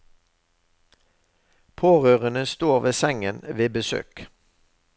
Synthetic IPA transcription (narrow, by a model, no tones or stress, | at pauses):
pʰoːʁøːʁənəst̪oːʁʋeːsɛŋənʋeːbəsø̰ːk